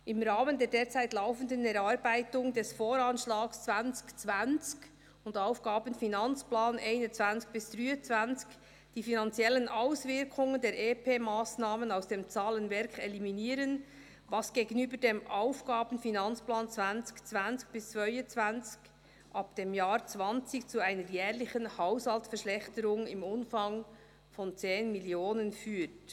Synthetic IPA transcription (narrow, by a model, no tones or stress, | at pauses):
ʔɪmɾaːməndeːɐdeːt͡saɪtlaʊfən̩dənɛɾaɾbaɪtʊŋdɛsfoːɾanʃlaːkst͡svant͡skt͡svant͡sk | ʊndaʊfɡ̥aːbən̩finant͡splaːnʔaɪnət͡sv̥ant͡sk̚b̥ɪsd̥ʁyːət͡svant͡sk | d̥iːfinant͡sjɛlːənʔaʊsvɪɾkʰʊŋəndeːɾʔeːpʰeːmaːsnaːmənaʊsd̥eːmt͡saːlənvɛɾkʰɛliminiːɾən | vɑsɡ̥eːɡənyːbəɾdeːmʔaʊfɡ̥aːbn̩finɑnt͡splaːnt͡svant͡skt͡svant͡sk̚b̥ɪst͡svœʏət͡svant͡sk | ʔɑpd̥eːmjaːɾt͡svɑnt͡sɪkt͡suaɪnəɾjɛːʁlɪçənhaʊshɑltfɛɾʃlɛxtəɾʊŋɪmʊnfɑŋ | fɔnt͡seːnmiljoːnənfyːt